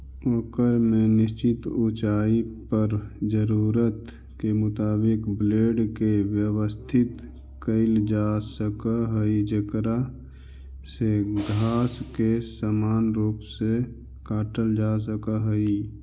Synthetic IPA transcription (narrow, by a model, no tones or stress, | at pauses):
oːkəɾmẽnɪst͡ʃɪt̪ut͡ʃaːipəɾd͡ʒəɾuːɾət̪ | kemʊt̪aːbɪkbleːɖkewjəwəst̪ʰɪt̪ | kəɪld͡ʒaːsəkaɦəid͡ʒəkɾa | seɡʱaːskesaːmaːnɾuːpse | kaːʈəld͡ʒaːs̬əkaɦəi